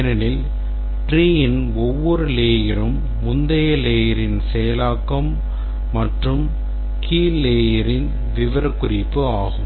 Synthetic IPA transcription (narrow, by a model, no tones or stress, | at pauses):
nɐnɪl | ʈɾiːjɪn | ɔʋːɔɾɯleːjɐɾɯmː | ʊnd̪ɐjɐleːjɐɾɪnsɛjɐlaːkːɐmː | ɐʈrɯm | kʰiːleːjɐɾɪn | ʋɪʋɐɾɐkːʊrɪpːɯaːɣɯm